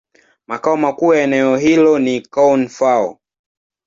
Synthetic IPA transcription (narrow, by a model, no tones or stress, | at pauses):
makaɔmakuːjaɛnɛɔɦilɔnikawnfaɔ̰